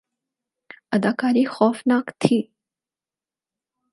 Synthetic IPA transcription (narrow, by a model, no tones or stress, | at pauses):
ɐd̪aːkaːɾiːxɔːfnaːkt̪ʰiː